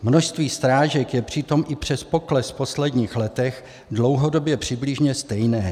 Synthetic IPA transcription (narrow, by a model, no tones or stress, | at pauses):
mnoʃst̪viːst̪ɾaːʒɛkjɛpr̝̥ɪt̪o̞mʔɪpr̥ɛspo̞klɛspo̞slɛdɲiːxlɛt̪ɛx | dlo̞wɦodo̞bjɛpr̝̥ɪblɪʒɲɛst̪ɛjnɛː